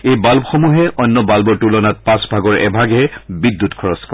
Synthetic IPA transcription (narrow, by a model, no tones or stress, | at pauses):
ejbalbɔxɔmuɦɛʔɔnːɔbalbɔɹtulɔnat̚pãsbʱaɡɔɹɛ̰bʱaɡɛbidːutkʰɔɹɔskɔ